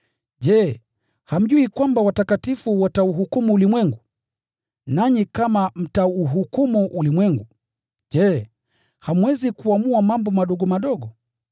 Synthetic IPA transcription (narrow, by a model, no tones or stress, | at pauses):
ʄɛ | ham̩ʄuikwambawatakatifuwatauɦukumuːlimwɛŋɡu | naɲikamam̩tauɦukumuʔulimwɛŋɡu | ʄɛ | hamwɛzikuamuamambɔmaɗɔɠɔmaɗɔɠɔ